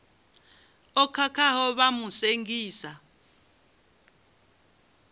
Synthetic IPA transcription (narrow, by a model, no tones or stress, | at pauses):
ɔkʰakʰahɔɓamuseŋɡiːsa